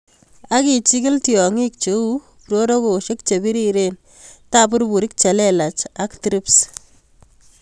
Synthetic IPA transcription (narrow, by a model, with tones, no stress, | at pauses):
a˦ki˨t͡ʃi˦kɪ˦ltiɔ˨ŋi˦k̚t͡ʃe˦u˦ | pɾo˦ɾo˦ko˨ʃe˦k̚t͡ʃe˨bi˦ɾiɾe˦n | ta˦p̬u˦ɾbu˨ɾi˦k̚t͡ʃe˨lɛ˦la˨t͡ʃa˦ktɾips